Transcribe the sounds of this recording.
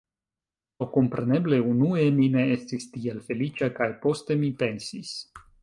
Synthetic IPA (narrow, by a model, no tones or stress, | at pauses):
oko̞mpɾe̞ne̞ble̞unue̞mine̞estist̪ielfe̞lit͡ʃakajpo̞st̪e̞mipe̞nsis